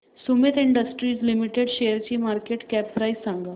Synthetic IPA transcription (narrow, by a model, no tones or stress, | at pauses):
sumit̪iɳɖəsʈɾiːd͡zlimiʈeɽɕejəɾt͡ɕiːmaɾkeʈkæp̚ːɾaisaŋɡa